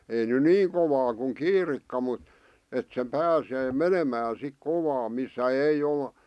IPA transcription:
ei ny niːŋ koʋɑː kuŋ kiːrikːɑ mut et se pæːseː menemæːn sik koʋɑː misːæ ei ol

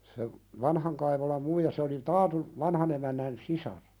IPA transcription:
se ʋɑnhɑŋ kɑiʋolɑm muijɑ se oli tɑːtuʋ ʋɑnhɑn emænːæn sisɑr

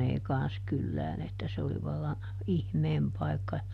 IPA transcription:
ei kɑn̞s kylːæːn etːæ se oli ʋɑlːɑ ihmeːm pɑi̯kːɑ

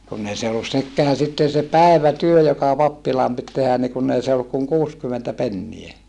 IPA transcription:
kunː ei se olːus sekːeæ sitːen̞ se pæeʋˑætyø jokɑ pɑpːilɑːm pit tehæn ni kunː ei se olːuk kuŋ kuːskymentæ penːie

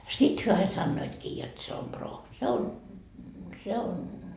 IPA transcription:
sit hyø ɑi sɑnːoitkiː jot se om proː se on

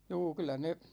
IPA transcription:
juː kylˑæ ne

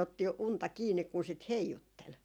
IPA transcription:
otːi untɑ kiːnːik kun sit heijutːel

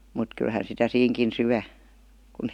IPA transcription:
mut kylhæn sitæ siːŋkin syæ kun

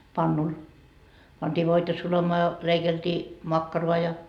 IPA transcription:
pɑnːul pɑntiː ʋoitɑ sulɑmɑː jɑ leikeltiː mɑkːɑroɑ jɑ

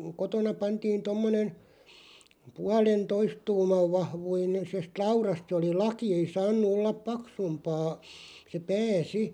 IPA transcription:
kotonɑ pɑntiːn tomːonen̞ puɑlentoist tuːmɑʋ ʋɑhʋuine sest lɑurɑst se oli lɑki ei sɑːnːu olːɑp pɑksumpɑː se pæː si

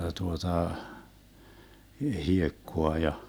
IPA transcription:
tuotɑ hiekːoɑ jɑ

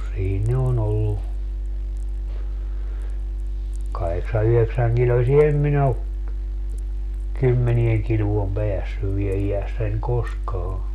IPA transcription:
siːn ne on olːu kɑheksɑ yheksæŋkilosie em min o kymːenieŋ kiluom peæsːyʋ ʋie ijæsːænʲ koskɑː

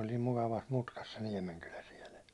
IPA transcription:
olʲ niːm mukɑʋɑs mutkɑs se niɛmenkylæ siɛlə̆

